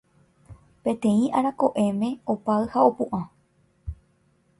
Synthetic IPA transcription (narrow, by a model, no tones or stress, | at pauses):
pẽ̞t̪ẽ̞ĩʔaɾako̞ʔẽ̞mẽ̞opaɨhao̞pũʔã